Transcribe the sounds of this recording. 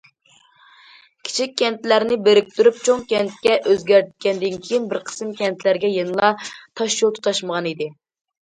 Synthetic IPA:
kʲʰi̥t͡ʃʰikʲʰːɛnt̪læɾnɪbeɾɪk̚ʲt̪yɾyp̚t͡ʃʰoŋkʲɛnt̪̚kʲɛʔøzɡʲæɾt̪̚kʲɛnd̪ɪnkʲʰijinbɪɾqʰə̥sɨmkʲɛnt̪ʰlæɾɡʲɛjenɨlˠɑt̪ʰɑʃt͡ʃolˠt̪ʰu̥t̪ʰɑʃməʁɑnid̪ɪ

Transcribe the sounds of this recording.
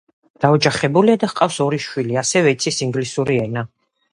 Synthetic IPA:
d̪̥aɔd͡ʒaχɛbuliad̪ahqʼafsɔɾiʃwiliasɛvɛit̪sʰisiŋɡlisuɾiɛna

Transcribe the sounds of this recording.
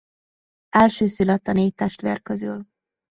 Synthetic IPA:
ɛlʃøːsylɛt̪ːɒneːt̪ːɛʃt̪ʋḛrkøzy̰l

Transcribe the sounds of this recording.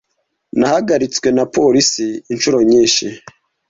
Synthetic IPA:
nahaɡaɾit͡swe̞napʰo̞ɾisiːnʃuɾo̞ɲiːnʃi

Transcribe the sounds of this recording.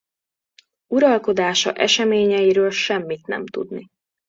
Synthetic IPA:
uɾɒlko̞d̪aːʃɒ̰ʔɛʃɛmeːɲɛjiɾøːlʃɛmːit̪nɛ̰mt̪ṵd̪ni

